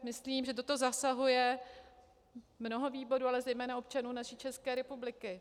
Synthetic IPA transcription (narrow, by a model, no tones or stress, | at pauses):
mɪsliːmʒɛt̪o̞t̪o̞zasaɦujɛ | mno̞ɦo̞viːbo̞ɾuːalɛzɛjmɛːnao̞p̚t͡ʃanuːnaʃiːt͡ʃɛskɛːɾɛpublɪkɪ